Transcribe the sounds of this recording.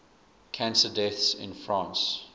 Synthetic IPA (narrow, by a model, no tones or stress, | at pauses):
kʰæ̃nsədɛθsɪ̰̃nfɹãːˑns